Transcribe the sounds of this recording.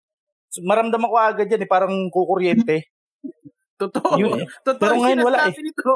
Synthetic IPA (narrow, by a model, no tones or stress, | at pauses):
smɐɾɐmd̪amɐkoaːɡɐd̪̚d͡ʒanɛpaːɾɐŋkokoɾjɛnt̪ɛ | t̪ot̪ojʊntpɛːɾoŋɐjonwɐlaʔɛ